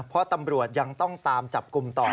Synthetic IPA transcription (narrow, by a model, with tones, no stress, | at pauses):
pʰɔ˦˥t̪a˧mɾu˨˩ət̪̚ja˧ŋt̪ɔ˥˩ŋt̪aː˧mt͡ɕa˨˩p̚ku˧mt̪ɔː˨˩